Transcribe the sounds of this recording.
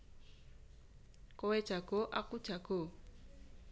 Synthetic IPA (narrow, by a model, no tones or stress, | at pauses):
kʼɔwɛ̥ʒ̥ʱaɡ̥oʔakud̥ʒ̥ʱaɡ̥o